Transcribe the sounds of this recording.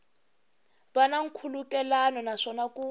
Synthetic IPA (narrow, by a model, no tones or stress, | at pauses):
banaŋ̩kʰulukʼɛlanɔnaʂɔnaku